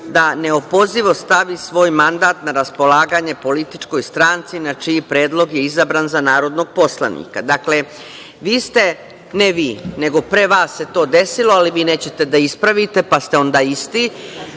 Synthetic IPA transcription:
d̪ane̞opo̞ziʋo̞st̪aʋisʋo̞ːjmand̪aːt̪naɾaspo̞laːɡaɲe̞po̞lit̪it͡ʃko̞jst̪ɾaːnt̪sinat͡ʃiːpɾe̞ːd̪lo̞ɡjeizabɾaːnzanaːɾo̞d̪no̞ɡ̚po̞slˠa̰nḭkad̪akle̞ | ʋiːst̪e̞ | neʋiːne̞ɡo̞pɾe̞ʋaːsːe̞t̪o̞ːd̪e̞silˠo̞aliʋiːneːt͡ɕe̞t̪e̞d̪aispɾaʋit̪e̞past̪eo̞nd̪aːist̪i

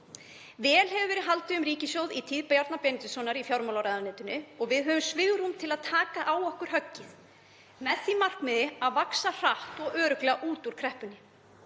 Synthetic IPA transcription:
vɛːlɦɛvʏvɛːɾɪðɦalt̪ɪʏmɾiːcɪsjowðit̪ʰiːðpajaɾt̪napɛːnɪt̪ʏsɔːnaɾifjawɾmawlawɾajðanɪnt̪ʏnɪɔɣvɪðɦœvʏmsvɪɣʏɾ̥hunt̪ʰɪlaðt̪ʰaːkaʔawɔhkʏɾ̥ɦœcːɪθ | mɛðθimar̥kmɛðɪaðvaksar̥aht̪ɔɣœːɾʏklɛaʔuːt̪uɾ̥kʰɾɛhpʏnːɪ

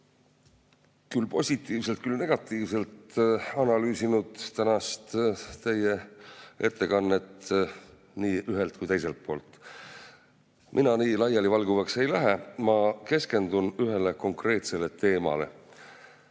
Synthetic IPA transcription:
kylpo̞sʲit̪ːˑiːvse̞lt̪̚kylne̞ɡ̥ɑt̪ːˑiːvse̞lt̪ɑnɑlyːsinud̪̥t̪ænɑst̪t̪e̞jːeʔe̞t̪ːˑe̞kɑnːe̞t̪ | niːʔyɦelt̪̚kujt̪e̞jse̞lt̪̚pʰo̞ːlt̪ːˑ | minɑniːlɑjɑlivɑlɡuvɑkse̞jlæɦemɑke̞ske̞nd̪unyɦe̞le̞ko̞ŋkre̞ːt̪se̞le̞t̪e̞ːmɑ̰le̞̰

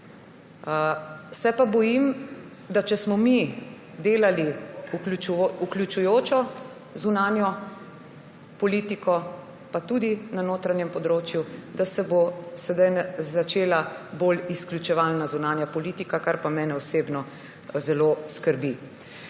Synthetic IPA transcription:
sɛpabɔjim | d̪at͡ʃɛsmɔmi | d̪eːlaliuuukljut͡ʃujoːt͡ʃɔ | zunaːnjɔ | pɔliːt̪ikɔ | pat̪ud̪inanoːt̪ɾanjɛmpɔd̪ɾoːt͡ʃjud̪asɛbosɛd̪ajnɛzat͡ʃeːlabolisklʲjut͡ʃɛʋaːlnazunaːnjapɔliːt̪ikakaɾpamɛːnɛɔseːbnɔ | zɛloskəɾbi

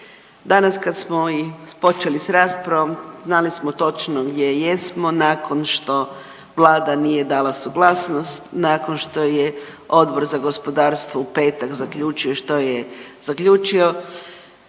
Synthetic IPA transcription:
d̪anaskad̪smoipo̞t͡ʃelisɾaːspɾaʋomznalismot̪o̞t͡ʃnoɡd̪je̞jesmo̞naːko̞nʃt̪o̞ | ʋlˠaːd̪anije̞d̪aːlasuɡlˠaːsnost̪nakonʃt̪o̞je | o̞d̪bo̞ɾzaɡo̞spo̞d̪aːɾst̪ʋoupe̞ːt̪akzakʎuːt͡ʃioʃt̪o̞jez̥akʎʲuːt͡ʃio̞

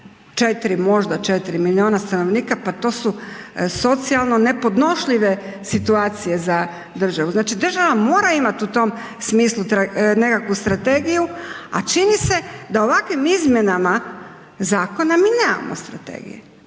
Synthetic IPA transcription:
t͡ʃet̪iɾimo̞ʒd̪at͡ʃet̪iɾimilionast̪ano̞ʋniːkapat̪o̞ːsuso̞t̪sialˠno̞ne̞po̞d̪no̞ʃʎiʋe̞ | sit̪uaːt̪sije̞za | d̪r̩ʒaʋuznaːt͡ʃid̪ɾr̩ʒaʋamo̞ːɾaimat̪ut̪o̞m | smiːslˠut̪ɾane̞kakʋust̪ɾat̪e̞ɡijua̰t͡ʃinise̞d̪ao̞ʋakʋimizmje̞nama | zaːko̞namiːneːma̰mo̰st̪ɾa̰t̪ḛːɡḭje

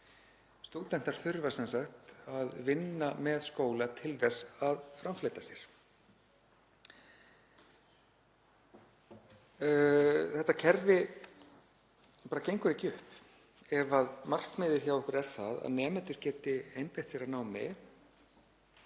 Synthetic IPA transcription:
st̪uːt̪ɛn̥t̪aɾ̥θʏɾvasɛnsaxt̪aðvɪnːamɛðskoːwlat̪ʰɪlðɛsaðfɾamfleːjt̪asjɛɾ̥ | θɛht̪acʰɛɾvɪ | paːɾacejŋkʏɾicʏhp | ɛvaðmar̥kmɪðɪ̥çawɔhkʏɾɛɾ̥θaða̰ðnɛːmɛnt̪ʏɾ̥cɛːt̪ɪejnpɪht̪sɛɾaðnaːwmɪ̰ɾ

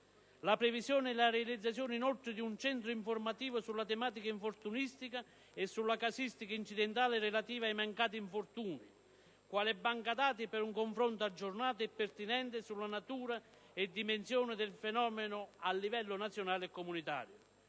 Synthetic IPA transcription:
lapɾɛvisjɔːnɪɛlaɾealid̪zːat̪sjɔːnɪinolt̪ɾɪd̪iunt͡ʃɛnt̪ɾʊiɱfʊrmat̪iːvʊsulːat̪ɛmaːt̪̬ikaiɱfort̪unist̪ika | ɛsːulːakasist̪ikaint͡ʃid̪ɛnt̪aːlɪrɛlat̪iːvajmaŋkaːt̪̬iiɱfʊrt̪uːni | kwaːlɛbːaŋkad̪aːt̪̬ipɪɾuŋkoɱfɾont̪ʊad͡ʒːʊrnaːt̪̬ʊɛpːɛrt̪inɛnt̪ɪsulːanat̪uːɾa | ɛd̪ːimensjɔːnɪd̪ɪlfɛnɔːmɪnʊalːivɛlːʊnat̪sːjonaːlɪɛkːomunit̪a̰ːɾjʊ

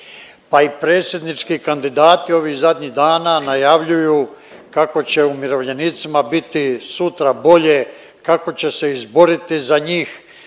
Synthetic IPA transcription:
paipɾe̞ːt̪sje̞d̪nit͡ʃkikand̪id̪aːt̪io̞ʋiːɣzad̪ɲiɣd̪aːnanajaʋʎuju | kako̞t͡ɕe̞umiɾo̞ʋʎe̞nit̪simabit̪isut̪ɾabo̞ʎe | kako̞t͡ɕe̞se̞izbo̞ɾit̪izaɲiːx

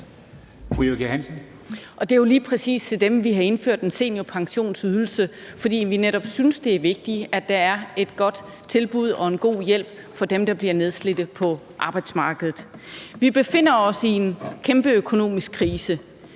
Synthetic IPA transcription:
b̥ʁioɡ̥eænsən | ʔɒ̽d̥e̝jo̝liːpʰʁɛsḭːst͡sʰe̝d̥emʋiɦɑ̈e̝nfø̰ɐ̰d̥ense̝̰ːnjo̝pʰɑ̈ŋɕo̝̰ːnsyð̞ˠl̩səfɒ̽d̥ḭːʋineɾ̥ɒ̽b̥synsd̥e̝æɐʋe̝ɡ̥̚d̥iæd̥ɑ̈æɐe̝d̥̚ɡ̥ɒ̽d̥ | t͡sʰe̝lb̥uð̞̰ˠɒ̽e̝nɡ̥o̝̰ːjel̰b̥̚ | fɒ̽d̥emd̥ɑ̈b̥liɐne̝ð̞ˠsle̝d̥ð̩ˠpʰɒ̽ | ʔɑ̈ːb̥ɑ̈ɪd̥smɑ̈ːɡ̥əð̞ˠð̩ˠʋib̥e̝fe̝n̰ɐɒ̽sie̝nkʰemb̥əøkʰo̝no̝̰ːmisɡ̥̚kʰːʁiːsə

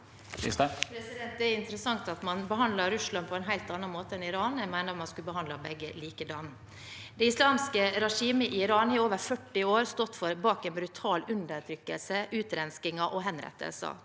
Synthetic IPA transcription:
ɪ̰spʰɾɛsɪd̪ɛnt̪d̪ɛæɾʊɪnt̪əɾəsɑŋt̪ɑt̪mɑnbəɦɑnd̪lɑɾʉslɑnpʰɔɛnɦæɪlt̪ɑnːɑnmoːt̪əɛnɪɾɑːnɛmæɪnəɾmɑnskʉlbəɦɑnd̪lɑbɛɡːəliːkəd̪ɑn | d̪ɛɪslɑːmskəɾɛʂiːməʔɪɾɑːnhɪːoːʋəɾfœʈːɪoːɾst̪ɔt̪ːfɔɾbɑːkɛnbɾʉt̪ʰɑːlʉnd̪əɾʈ̪ʰɾʏkːəlsəʔʉːt̪ɾɛnskɪŋɑʔɔɦɛnɾɛ̰t̪ʰːə̰lsə̰

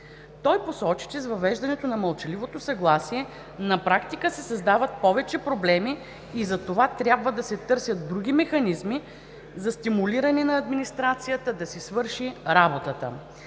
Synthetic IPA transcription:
t̪ɔjposɔt͡ʃi̥t͡ʃɛzvɐvɛʒd̪ɐnɛt̪onɐməlˠt͡ʃɐlivot̪osɐɡlˠasiɛ | nɐpɾakt̪ikəsɛsɐzd̪avət̪̚pɔvɛt͡ʃɛpɾoblɛmiː | zɐt̪ovat̪ɾʲjabvəd̪ɐsɛt̪ɤɾsʲjət̪̚d̪ɾuɡ̟ʲimɛxɐnizmi | zɐst̪imuliɾɐnɛnɐɐd̪minist̪ɾat̪sijət̪əd̪ɐsisvɤɾʃiɾabot̪ət̪ə̰

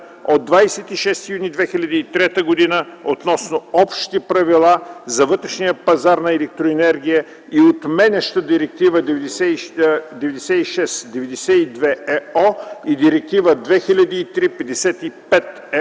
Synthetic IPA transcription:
od̪ːvajsɛt̪iʃɛst̪ijunid̪vɛxilʲɐd̪iːt̪ɾɛt̪əɡod̪inəot̪nɔsnoɔpʃt̪ipɾɐvilˠazɐvɤt̪ɾɛʃnijəpɐzaɾnɐɛlɛk̚t̪ɾoɛnɛɾɡ̟ʲijə | iot̪mɛnɛʃt̪əd̪iɾɛk̚t̪ivəd̪ɛvsɛd̪ɛvɛd̪ɛsɛiʃɛst̪d̪ɛvɛd̪ɛsɛid̪vɛɛɔid̪iɾɛk̚t̪ivəd̪vɛxilʲɐd̪iːt̪ɾipɛd̪ɛsɛt̪ipɛt̪ | ɛ

